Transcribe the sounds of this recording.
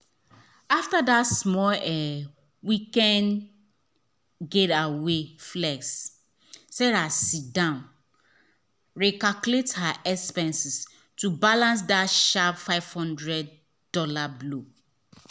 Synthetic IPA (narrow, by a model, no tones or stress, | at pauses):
aftadatsmɔlɛ | wikɛ̃n | ɡedaweflɛks | sɛɾasidãn | ɹɛkakulethaʔɛkspɛ̃nsis | tubalãns̬daʃapfaɪvhɔ̃ndɹɛd̚ | d̥ɔlablo